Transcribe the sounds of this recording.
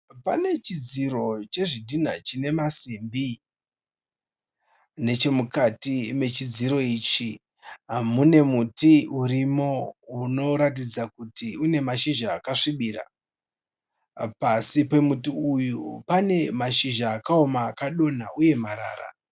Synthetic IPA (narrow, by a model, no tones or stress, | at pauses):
pa̰ne̞t͡ʃid͡ziro̞t͡ʃe̞ʐidʱin̤a̰t͡ʃine̞masimbi | ne̞t͡ʃe̞mukatime̞t͡ʃid͡ziɾo̞iːt͡ʃi | mune̞mutiuɾimo̞uno̞ɾat̬id͡zakutiune̞maʃiʒaːkaʂiɓiːɾa̰ | pasipe̞mutiujupane̞maʃiʒaːkaomaːkaɗo̞naʔuje̞maɾa̰ːɾa̰